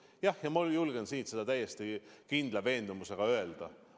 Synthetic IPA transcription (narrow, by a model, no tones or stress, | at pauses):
jɑhjɑmuljulɡ̥ensiːt̪se̞d̪̥ɑt̪æjːest̪ikind̪lɑve̞ːnd̪umuse̞ɡ̥ɑø̞e̞ld̪̥ɑ